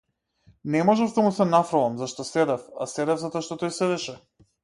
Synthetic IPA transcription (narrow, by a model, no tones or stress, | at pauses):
nɛmɔʒɛvd̪amusɛnafɾalˠamzaʃt̪ɔsɛd̪ɛfa̰sɛd̪ɛvzat̪ɔaʃt̪ɔt̪ɔjsɛd̪ɛʃɛ